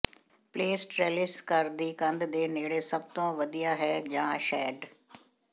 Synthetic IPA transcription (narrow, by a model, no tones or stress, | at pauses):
pleːsʈɾeːlɪskəɾd̪iːkə̃nd̪d̪eːneːɽeːsəb̚t̪õːʋəd̪ijaːɦɛːd͡ʒãːʃɛːɖ